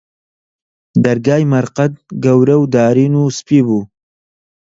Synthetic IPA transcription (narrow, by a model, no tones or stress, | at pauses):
d̪ɐɾɡaːjmɐɾqɐt̪̚ɡɐwɾɐwd̪aːɾiːnuːspiːbuː